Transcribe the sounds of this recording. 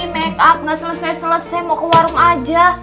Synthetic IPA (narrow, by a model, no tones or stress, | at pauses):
mɛkap̚nasələsajsələsajmokəwaɾʊŋad͡ʒa